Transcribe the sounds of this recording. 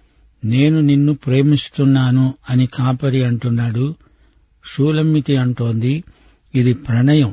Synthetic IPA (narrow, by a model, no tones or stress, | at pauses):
ne̞ːnuninːupɾe̞ːmist̪unːaːnuɐnikaːpɐɾiɐɳʈunːaːɽu | ʃuːlɐmːit̪iɐɳʈo̞ːnd̪iː | d̪ipɾɐɳɐjɐm